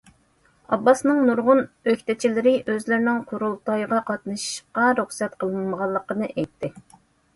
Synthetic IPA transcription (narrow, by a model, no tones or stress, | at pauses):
ɑ̰bːɑsnɨŋnuɾʁʊnøkʲt̪ɪt͡ʃʰilɪɾɪʔøzlɪɾnɪŋqʰʊɾulˠt̪ʰɑjʁɑqʰɑt̪nɨʃqɑɾuχsɛt̪qʰəlˠɨnməʁɑlˠːəqənɨʔɛjt̪ʰːɪ